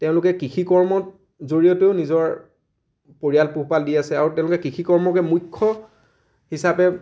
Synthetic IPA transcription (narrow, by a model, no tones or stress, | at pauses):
tɛʊ̃lʊkɛkixʰikɔɹmɔt | zoɹijɔteʊnizɔɹ | poɹijalpuɦpaldiasɛaɹutɛ̃ʊ̃lʊkɛkɹixʰikɔɹmɔkɛmujkʰːɔ | hisapɛ